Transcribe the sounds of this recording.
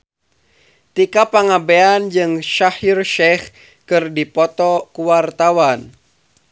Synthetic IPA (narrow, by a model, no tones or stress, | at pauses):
t̪ikapaŋabeand͡ʒɨŋʃahirʃɛh | kɨrdipɔt̪ɔkuwart̪awan